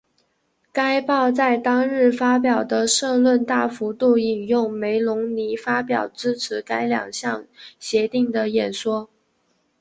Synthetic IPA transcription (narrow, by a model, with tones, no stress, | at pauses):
ka˥ɪpɑ˥˧ʊt͡sa˥˩ɪt̪ɑ˥ŋɻɻ̩˥˩fa˥p̬jɑ˨˩ʊd̪ə˦ʂɤ˥˧lwə˥˧nt̪a˥˩fu˧˥t̪u˥˩i˨˩njʊ˥˩ŋme˧˥ɪlʊ˧˥ŋni˧˥fa˥pjɑ˨˩ʊʈ͡ʂɻ̩˥ʈ͡ʂʰɻ̩˧˥ka˥ɪljɑ̰˨˩ŋɕjɑ˥˩ŋɕjɛ˧˥t̪i˥˩ŋd̪ə˩jɛ˨˩nʂwɔ˥